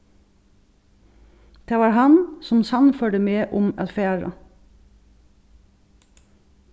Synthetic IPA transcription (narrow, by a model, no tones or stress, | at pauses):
d̪̥eːʋɑːɾhɑnsɔmsɑnfœɖəmeːʔʊmɑfæːɹɑ̰